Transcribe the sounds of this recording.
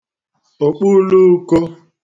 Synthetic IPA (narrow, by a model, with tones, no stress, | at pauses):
o˨k͡pu˦lu˦ko˦